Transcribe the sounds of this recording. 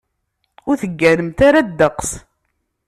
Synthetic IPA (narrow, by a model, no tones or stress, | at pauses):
ʊɾθəɡːæɾəmt̪aɾad̪ːəqs